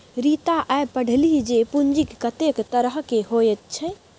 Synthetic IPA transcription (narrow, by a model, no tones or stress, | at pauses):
ɾit̪aʔaepəɽ̤ʱlid͡ʒepund͡ʒikːət̪ekt̪əɾəɦkeɦojɛt̪̚t͡ʃʰɛ